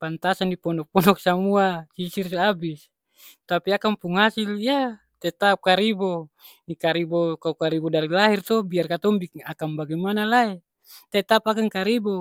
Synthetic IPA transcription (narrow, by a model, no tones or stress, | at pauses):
pant̪asandipɔnɔk̚pɔnɔk̚samuasisirsiabis | t̪apiakampuŋhasilija | t̪et̪ap̚kaɾibo | nikaɾibokaukaɾibɔdaɾilaɦirt̪ɔbiarkat̪ɔmbik̚akambaɡimanalae | t̪et̪apakaŋkaɾibo